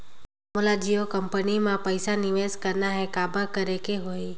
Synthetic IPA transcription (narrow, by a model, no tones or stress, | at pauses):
molad͡ʒijokəmpənimãpəjsanɪʋeskəɾnaɦẽkabəkəɾekeɦoi